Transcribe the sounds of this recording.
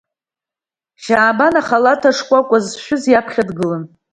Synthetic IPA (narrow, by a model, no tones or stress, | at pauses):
ʃaːbanaχalatʰaʂkʷʼakʷʼazʃᶣʊzjapʰχʲadɡɨlɨn